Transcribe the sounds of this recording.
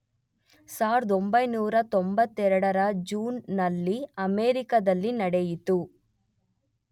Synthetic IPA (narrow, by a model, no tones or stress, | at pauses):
saːɾd̪ombɐjnuːɾɐt̪ombɐt̪ːɛɾɐɽɐɾɐd͡ʒuːnːɐlːiɐmeːɾikɐd̪ɐlːinɐɽejit̪u